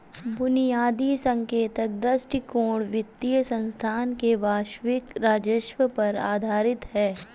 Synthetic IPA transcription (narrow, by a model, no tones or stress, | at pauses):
bʊnijaːd̪iːsɐ̃ŋkeːt̪ək̚d̪ɐsʈikoːɽʋɪt̪ːijəsə̃nst̪ʰaːnkeʋaːʃʋɪkɾaːd͡ʒəʃʋəpɐɾa̰ːd̪ʱaːɾɪt̪ɦɛː